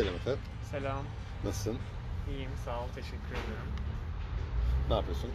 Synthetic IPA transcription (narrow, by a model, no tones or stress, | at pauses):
elʲimet̪ʰɛ | selʲaːmː | asɯn | ijimsaːlˠt̪ʰeʃɛcʲʰːyɾed̪ioɾum | naːpʰijosun